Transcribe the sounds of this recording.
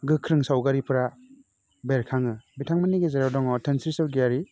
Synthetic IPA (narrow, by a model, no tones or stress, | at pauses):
ɡɯkʰɾɯŋsawɡaɾipʰɯɾa | beɾkʰaŋɯbitʰaŋmaniɡezaɾawdɔŋɔtʰensɾisɯwɡijaɾi